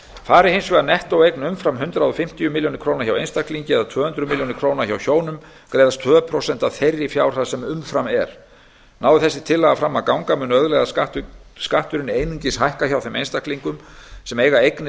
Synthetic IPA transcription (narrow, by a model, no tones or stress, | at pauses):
faːɾɪhejnsvɛɣanɛht̪owejknʏmfɾamɦʏnt̪ɾaðʏfɪm̥t̪ijʏmiljownɪɾ̥kʰɾoːwnaɾçjawḛjnst̪akliɲcɪɛðat̪ʰvœːhʏnt̪ɾʏmiljownɪɾkʰɾoːwnaɾçawçoːwnʏm | kɾeːjðast̪ʰvœːpʰɾowsɛn̥t̪aθejrːifjaːwɾ̥θasɛmʏmfɾamɛ̰ɾ̥ | naːwðɪθɛsːɪ̥t̪ʰɪlːɛɣafɾamːakawŋkamʏnœðlɛɣa | skaht̪ʏɾɪnejniɲcɪshajhkaçawθɛmḛjnst̪akliŋkʏmsɛmeːjɣaejknɪ